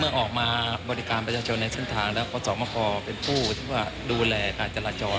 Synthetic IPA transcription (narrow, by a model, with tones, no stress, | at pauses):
mɯ˥˩ɐʔɔː˨˩k̚maː˧bɔː˧ɾi˦˥kaː˧npɾʰaː˧t͡ɕʰo˧nːa˧se˥˩nt̪ʰaː˧ŋlɛː˦˥wkʰɔː˧˦sɔː˩˦maː˧˥˩kʰɔː˧pe˧npʰuː˥˩t̪ʰiː˥˩waː˥˩duː˧lɛː˧kaː˧nt͡ɕa˧laː˧t͡ɕɔː˧